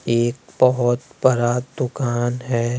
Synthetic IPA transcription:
eːkbɐɦʊt̪pɐɾad̪ʊkaːnɦɛː

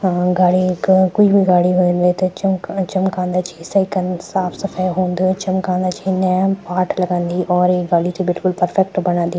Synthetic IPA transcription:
ɡaːɽikkoibʱiɡaːɽiɦoːnd̪et̪et͡ʃmt͡ʃəmkãːnd̪aːt͡ʃiseɪkənsaːpʰsəpʰajɦõːnd̪ut͡ʃɐmkãːnd̪aːt͡ʃinnɛpaːʈʰlɐɡãːnd̪iːʔɔːɾeːɡaːɽit̪ẽbɪlkʊlpəɾpʰɛk̚ʈbəñãːnd̪iː

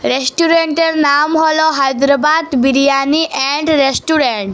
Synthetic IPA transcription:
ɾesʈuɾeɳʈeɾnamɦɔlɔɦajd̪ɾəbad̪biɾijaniʔɛɳɖɾesʈuɾeɳʈ

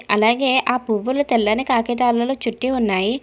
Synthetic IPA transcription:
ɐlaːɡe̞ːʔaːpuʋːulut̪ɛlːɐnikaːkɛt̪aːlːɐloːt͡ʃuʈːiunːaːji

